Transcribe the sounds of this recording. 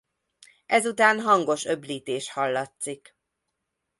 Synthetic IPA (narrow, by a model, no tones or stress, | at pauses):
ɛzut̪aːnɦɒŋɡo̞ʃøbliːt̪eːʃhɒlːɒt̪sik